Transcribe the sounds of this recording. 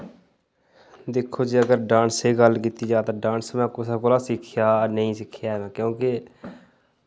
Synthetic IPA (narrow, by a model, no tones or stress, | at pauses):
d̪eːkʰːoːd͡ʒiːəɡəɾɖãːɳseːɡəlkiːt̪iːd͡ʒaːt̪aːɖãːnsmɛ̃ːkosɛːkoːlaːsɪkʰjaːnəɦĩːsɪkʰjaːɛmɛ̃ːkjõːke